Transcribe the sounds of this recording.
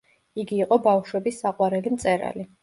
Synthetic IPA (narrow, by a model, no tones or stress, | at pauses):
iɡiːqʼɔbafʃwɛbisːaqʼwaɾɛlimt̪sʼɛɾa̰li